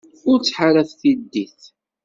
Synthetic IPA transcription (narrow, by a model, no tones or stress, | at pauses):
ʊɾt͡sːħaɾæθθid̪ːiθ